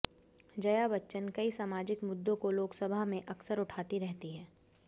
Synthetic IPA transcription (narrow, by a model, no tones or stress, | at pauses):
d͡ʒɐjabɐtːʃənkɐisaːmaːd͡ʒɪkmʊd̪ːõkoloːksəbʱamẽʔɐksəɾʊʈʰaːt̪iɾɛɦt̪iɦɛː